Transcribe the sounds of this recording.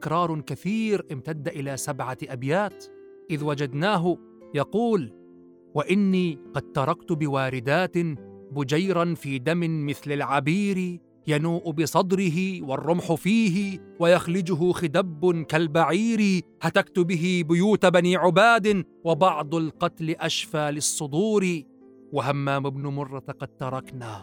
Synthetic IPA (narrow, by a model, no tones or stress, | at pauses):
t̪ɪ̥kɾˤɑːɾˤkaθiːɾʔɪmt̪ad̪ːaʔɪlaːsabʕaʔabjaːt̪ | ʔɪðwad͡ʒad̪naːɦʊ | jɑquːl | waʔɪnːiːqɑd̪̚t̪ɑɾˤɑkt̪ʊbɪwaːɾɪd̪aːt̪ɪbʊd͡ʒajɾˤanfiːd̪amɪmɪθlalʕabiːɾɪ | januːʔʊbɪsˤɑd̪ɾɪɦɪwɑrˤːʊmħʊfiːɦɪwajaxlɪd͡ʒʊɦʊxɪd̪abːʊnkalbaʕiːɾɪhat̪akt̪ʊbɪɦɪbʊjuːt̪abaniːʕʊbaːd̪ɪ | wɪbɑʕd̪ˤlqɑt̪lɪʔaʃfaːlɪsˤːʊd̪uːɾɪ | wahamːaːmɪbnʊmʊrˤːɑqɑd̪̚t̪ɑɾˤɑknaː